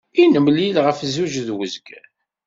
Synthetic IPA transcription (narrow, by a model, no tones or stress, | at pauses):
inəmlilʁəfzuʒðwəzɡ